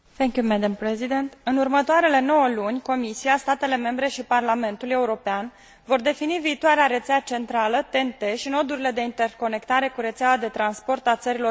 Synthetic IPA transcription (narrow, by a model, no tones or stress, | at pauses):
θɛŋkjumæd̪əmpɾezid̪ent̪ɨnurmət̪oaɾe̞le̞no̞wəlunʲko̞misiast̪at̪e̞le̞me̞mbɾe̞ʃiparlame̞nt̪ule̞uɾo̞pean | vo̞rd̪e̞finiviːt̪oaɾeaɾet̪seat͡ʃe̞nt̪ɾalət̪e̞nt̪e̞ʃino̞d̪uɾile̞d̪e̞int̪e̞rko̞ne̞kt̪aɾe̞kuɾe̞t̪seawad̪e̞t̪ɾanspo̞rt̪at̪səɾilo̞